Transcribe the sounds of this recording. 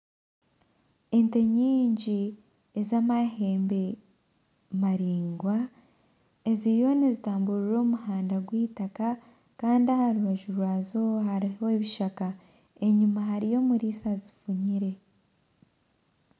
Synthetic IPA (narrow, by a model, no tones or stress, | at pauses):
e̞nte̞ɲiːɲɟi | ezaːmahe̞ːmbe̞ | maɾiːŋɡwa | e̞zijo̞nizitaːmbuɾiɾo̞ːmuhaːndaɡwiːtaka | kaːndiahaɾuβaʒuɾwaːzo̞haɾioeβiʃaka | e̞ɲumaɦaɾijo̞muɾisazi̥fuɲiɾe̞